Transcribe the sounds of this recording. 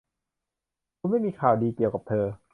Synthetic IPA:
t̪ʰu˧nma˥˩jmiː˧kʰaː˨˩wdiː˧ki˨˩əwka˨˩p̚t̪ʰɤː˧

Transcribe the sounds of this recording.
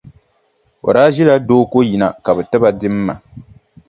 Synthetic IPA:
o̰˨ɾaː˦ʒi˦la˦doː˦ko˦ji˨na˨ka˨bɛ˨ta˦ba˨dɪ˦m̩ː˦a̰˨

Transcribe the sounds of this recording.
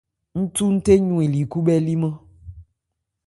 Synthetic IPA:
ŋ̩˦tu˦n̩˦te˦ɲũ˦˨e˨li˨ku˦bɛ˦li˦mã˦

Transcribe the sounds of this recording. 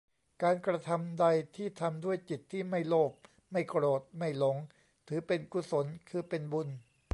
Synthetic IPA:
kaː˧nkɾa˧t̪ʰa˧mda˧jt̪ʰiː˥˩t̪ʰa˧mdu˥˩əjt͡ɕi˨˩t̪ʰːiː˥˩ma˥˩jloː˥˩p̚ | ma˥˩jkɾoː˨˩t̪̚ma˥˩jlo˩˦ŋ | t̪ʰɯː˩˦pe˧nku˧so˩˦nkʰɯː˧pe˧nbu˧n

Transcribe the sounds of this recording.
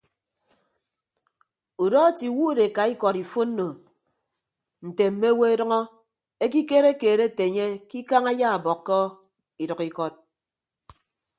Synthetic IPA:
u˨dɔ˦ti˨wu˦de˨ka˨i˦kɔ˨ɾi˨fo˦n̩ː˦o˨ | n̩˨te˨m̩˨˦me˦we˦e˦dʌ˦ŋɔ˦ | e˦k̬i˦keː˦ɾe˦keː˨ɾe˦˨te˨ɲe˦ki˦ka˦ŋa˦ja˦a˨bɔ˨kːɔ˦ | i˨dʌ˨ki˦kɔ˦t̚

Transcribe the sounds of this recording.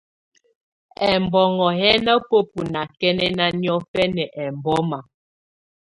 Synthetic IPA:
ɛ˨mbɔ˨ŋɔ˨ɦɛ˦nə˦po˦p̚u˨na˨kɛ˦nɛ˦na˦njɔ˦fɛ˦nɛ˨ʔɛ˨mbɔ˦ma˨

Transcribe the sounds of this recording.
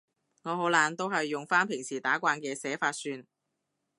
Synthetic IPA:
ŋɔː˨˧ɦo˨˥wlaː˨˧nt̪o˥wɦɐ˨jːʊ˨ŋfaː˥npʰɪ˨˩ŋsiː˨˩t̪aː˨˥kʷaː˧nkɛː˧sɛː˨˥faː˧t̚syː˧n

